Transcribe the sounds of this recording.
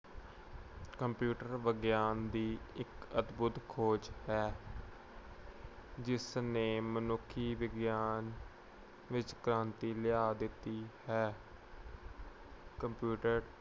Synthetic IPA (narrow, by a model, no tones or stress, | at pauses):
kəmpjuːʈəɾʋəɡjaːnd̪iːɪkət̪bʊt̪kʰoːd͡ʒhɛː | d͡ʒɪsneːmənʊkʰːiːʋɪɡjaːn | ʋɪt͡ʃkɾãːnt̪iːlɪjaːd̪ɪt̪ːiːhɛː | kəmpjuːʈəɾ